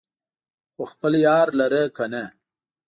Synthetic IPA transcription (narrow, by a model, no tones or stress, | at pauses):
xoxpəljɑːɾlaɾəkana